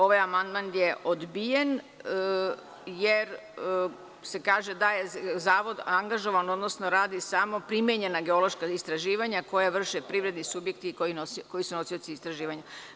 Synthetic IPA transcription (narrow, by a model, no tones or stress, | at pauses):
o̞ʋajamand̪manjeʔod̪bije̞n | jeɾ | se̞kaːʒed̪ajezaːʋo̞d̪aŋɡaʒo̞ʋano̞d̪nosno̞ɾaːd̪isamo̞pɾimjeɲe̞naɡe̞o̞lˠo̞ʃkaist̪ɾaʒiːʋaɲako̞jaʋr̩ʃepɾiʋɾe̞d̪nisubje̞kt̪ikoinosko̞jisuno̞sio̞t̪siːst̪ɾaʒiːʋaɲa